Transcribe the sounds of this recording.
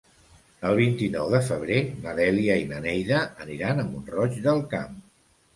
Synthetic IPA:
əlˠβ̞int̪inɔwðəfəβ̞ɾeməðɛliəimənɛjðəəniɾanəmbunrɔt͡ʃðəlˠkam

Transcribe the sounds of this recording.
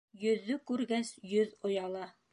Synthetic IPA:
jɵ̆ðːɵkʉɾɡæsjɵðŏjɑlˠɑ

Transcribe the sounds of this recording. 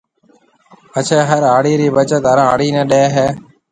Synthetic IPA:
ət͡ʃʰeːɦəɾaːɽiːɾiːʋət͡ʃət̪ɦəɾ̃aːɽiːnẽːɗeːɦeː

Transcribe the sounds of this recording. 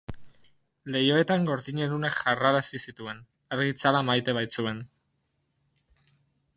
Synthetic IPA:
le̞jo̞e̞t̪aŋɡo̞ɾðiɲe̞lunekʝaraɾasisit̪ue̞n | aɾɣit͡salamajt̪e̞β̞ajt͡sue̞n

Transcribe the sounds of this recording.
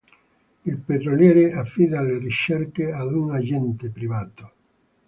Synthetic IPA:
ilpet̪ɾoljɛːɾeafːid̪alerit͡ʃːerkead̪unad͡ʒɛnt̪epɾivaːt̪o

